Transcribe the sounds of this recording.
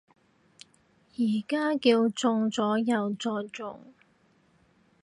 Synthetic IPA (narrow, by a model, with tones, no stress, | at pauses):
jiː˨˩kaː˥kiː˧wt͡sʊ˧ŋt͡sɔː˨˥jɐ˨˧wt͡sɔː˧t͡sʊ̰˨ŋ